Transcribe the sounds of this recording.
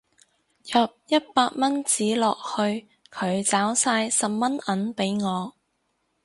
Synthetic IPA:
jɐː˨p̚jɐ˥t̚paː˧k̚mɐ˥nt͡siː˨˥lɔː˨k̚hɵ˧ɥ | kʰɵ˨˧ɥt͡saː˨˥wsaː˧jsɐ˨p̚mɐ˥nɐ˨˥npe˨˥jŋɔː˨˧

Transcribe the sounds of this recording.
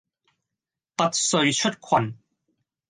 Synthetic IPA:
pɐ˥t̚sɵ˧ɥt͡ʃʰɵ˥t̚kʰwɐ˨˩n

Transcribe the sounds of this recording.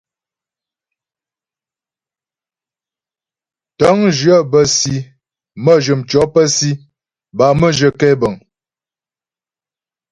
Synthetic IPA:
tɔ˨˦ŋd͡ʒɰə˦˨bə˨si˨ | mə˦ʒə˨mt͡ʃɔ˨˦pə˦si˦ | ba˨mə˦ʒə˨kɛ˦bə˨ŋ

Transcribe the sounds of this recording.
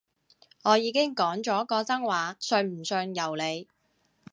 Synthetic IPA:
ŋɔː˨˧jiː˨˧kɪ˥ŋkɔː˨˥ŋt͡ʃɔː˨˥kɔː˧t͡sɐ˥ŋwaː˨˧sœ˧ŋm̩˨˩sœː˧ŋjɐ˨˩wle˨˧j

